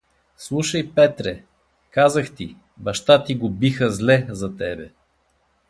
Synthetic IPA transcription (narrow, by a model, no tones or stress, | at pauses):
slˠuʃəjpɛt̪ɾɛ | kazəxt̪i | bɐʃt̪at̪iɡobixəzlɛzɐt̪ɛbɛ